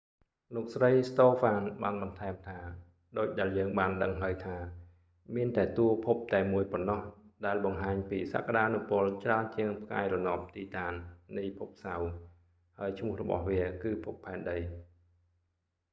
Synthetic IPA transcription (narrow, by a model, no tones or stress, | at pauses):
loːk̚srəjst̪oːfaːnɓaːnɓɑnt̪ʰaɛmt̪ʰaː | ɗoːc̚ɗaɛljəːŋɓaːnɗəŋɦaəjt̪ʰaː | miənt̪aɛt̪uəpʰup̚t̪aɛmuəjponːɑhɗaɛlɓɑŋɦaːɲpiːsa̰ːkaɗaːnupʊ̆əlt͡ɕraənt͡ɕiəŋpʰka̰ɛjrɔnŏp̚t̪iːt̪aːnːijpʰup̚saw | haəjt͡ɕʰmʊ̆əhrɔ̰ɓɑ̰hʋiəkɨːpʰupʰːaɛnɗəj